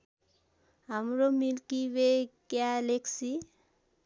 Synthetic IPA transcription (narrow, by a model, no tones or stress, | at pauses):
amɾomilkibekjaleksi